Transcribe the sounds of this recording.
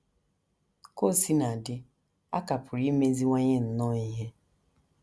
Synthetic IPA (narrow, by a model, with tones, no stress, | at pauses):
ko˦˨si˦na˨dɪ˦ | a̰˦ka˨pʊ˨ɾi˦me˦zi˦ŋʷa˦ɲe˦n̩˨nɔ˦i˦ɦe˦